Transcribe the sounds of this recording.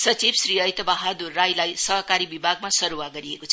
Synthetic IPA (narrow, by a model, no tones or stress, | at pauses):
sʌt͡sibsriʌjt̪ʌbaɦad̪urːajlajsʌɦkaɾibibʱaɡ̚masʌɾuwaɡʌɾiekot͡sʰʌ